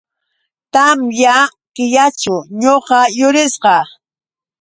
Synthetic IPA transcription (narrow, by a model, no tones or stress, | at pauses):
t̪amja | kɪjat͡ʃʊɲoqɑjʊɾɪsqɑ